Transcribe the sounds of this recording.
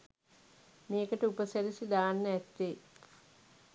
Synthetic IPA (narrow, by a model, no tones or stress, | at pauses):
meːkəʈəupəsæɾisid̪aːnːəæt̪ːe